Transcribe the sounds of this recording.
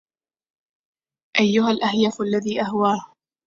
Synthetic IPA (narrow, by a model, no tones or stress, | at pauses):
ʔajːʊɦalʔahjafʔalːaðiːʔaɦwaːh